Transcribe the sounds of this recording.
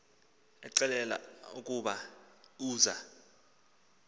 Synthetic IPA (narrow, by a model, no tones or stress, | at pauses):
ɛ̰ǀɛlɛla̰ukʼuɓauːza